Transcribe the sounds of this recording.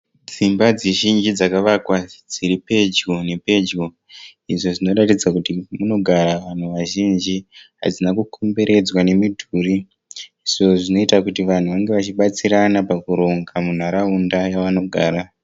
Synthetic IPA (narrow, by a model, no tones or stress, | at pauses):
d͡zimbad͡zeʒind͡ʒid͡zakaʋakwad͡ziɾipe̞d͡ʒɡone̞pe̞d͡ʒɡo | iʐo̞ʐino̞ratid͡zakutimuno̞ɡʱaɾaʋan̤uʋaʒind͡ʒiɦa̰d͡zinakukʰombe̞ɾʔe̞d͡zwane̞midʱuriː | ʐoʐino̞itakutiʋan̤uʋaŋɡe̞ʋat͡ʃiɓat͡siɾanapakuɾo̞ŋɡamun̤aɾaundajaʋano̞ɡʱaːɾa